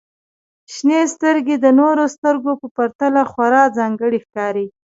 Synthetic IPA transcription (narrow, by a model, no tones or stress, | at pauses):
ʃnest̪əɾɡed̪ənoɾost̪əɾɡopəpaɾt̪alaxwaɾɑzɑŋɡəɽixkɑɾi